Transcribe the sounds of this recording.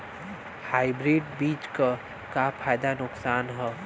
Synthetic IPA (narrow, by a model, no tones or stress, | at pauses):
haːɪbɾeːɖbiːt͡ʃkə | kapʰaːjd̪anʊksaːnɦɛ